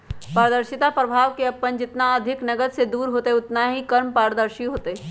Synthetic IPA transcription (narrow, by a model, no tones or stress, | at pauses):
paːɾəd̪əɾʃɪt̪apɾɐbʱaːʋkeɐpːənd͡ʒɪt̪naɐd̪ʱɪknɐɡəd̪sed̪uːɾɦoːt̪eʊt̪naɦikɐɾmpaːɾd̪əɾʃiɦoːt̪e